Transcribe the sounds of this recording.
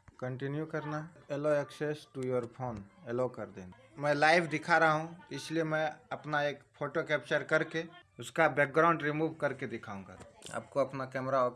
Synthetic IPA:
kə̃ɳʈɪnjukəɾnaeloɛksesʈujoɾpʰoːnelokəɾd̪eːn | mɛ̃laːɪbʰd̪ɪkʰaɾaɦaɦũɪsliemɛ̃ɐpnaeːkpʰoːʈokɛːp̚t͡ʃəɾkɐɾkeʊskabɛːk̚ɡɾaʊ̃ɳɖɾimuːbkɐɾked̪ɪkʰaːũŋɡa̰a̰ːb̚koɐpnakɛːmɾao

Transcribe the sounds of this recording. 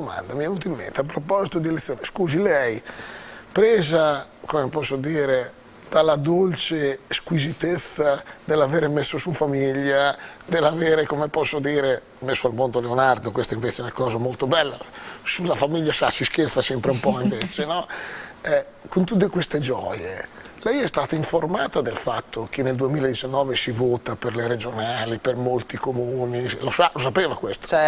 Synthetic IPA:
d̪oma̰nd̪amiavuːt̪oimːḛnt̪eapɾopɔzit̪od̪ielet̪sːjoːneskuːzilɛj | pɾɛːzakomepɔsːod̪iːɾe | d̪̥alːad̪olt͡ʃeskwizit̪et̪sːad̪elːaveːɾemesːosufamiʎːad̪elːaveːɾekomepɔsːod̪iːɾe | mesːoalmond̪oleonaɾd̪okwest̪oiɱveːt͡ʃeɛnakɔːzamolt̪obɛlːasulːafamiʎːasasisk̟elsasɛmpɾeumpɔiɱveːt͡ʃenɔ | ɛ | kont̪ut̪̬ːekwest̪ed͡ʒɔːjelɛjɛst̪aːt̪aiɱformaːt̪ad̪elfat̪ːok̟enːeld̪uemiːlaed̪it͡ʃanːɔːvesivoːt̪aperleɾed͡ʒonaːlipermolt̪ikomuːnilosalos̬apeːvakwest̪o̥

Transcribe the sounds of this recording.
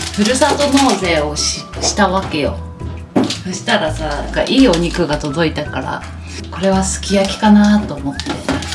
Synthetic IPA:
ɸɯ̟ɾɯ̟sat̪o̞no̞ːze̞ːo̞ɕɕi̥t̪aβake̞jo̞̰ | ɕi̥t̪aɾasaaka̰ʔiːo̞ɲ̟ikɯ̟ɡat̪o̞d̪o̞it̪akaɾa̰ | ko̞ɾe̞β̞asɨ̥kʲijakʲi̥kanat̪o̞ːmo̞t̪ːe

